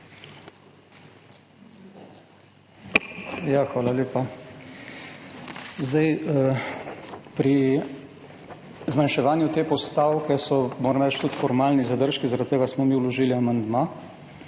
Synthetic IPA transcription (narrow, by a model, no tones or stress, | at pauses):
jaxʋaːlaleːpa | zd̪aj | pɾi | zmanʃɛʋaːnjut̪eːpɔst̪awkɛsɔmoːɾɐmɾɛt͡ʃt̪ut̪fɔɾmaːlnizad̪əɾʃkizaɾat̪ːeːɡasmɔmiːwlɔʒiːliamand̪maː